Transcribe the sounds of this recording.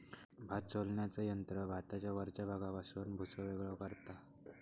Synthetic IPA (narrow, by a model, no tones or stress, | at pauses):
bʱat͡solɳjat͡səjənt̪ɾəbʱat̪at͡ɕjaʋəɾt͡ɕabʱaɡapasuːnbʱut͡səʋeɡɭəʋkəɾt̪a